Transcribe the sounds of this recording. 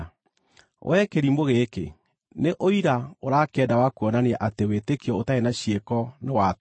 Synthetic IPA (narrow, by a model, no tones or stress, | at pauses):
wʔɛkeɾimoɣekḛ | neʔoiɾaoɾakɛːdawakuɔnaneɛʔatewetekiɔotaenaɕjekɔnewat